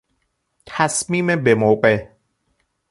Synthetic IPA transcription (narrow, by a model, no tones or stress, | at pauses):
t̪ʰæsmiːmebemowqeʔ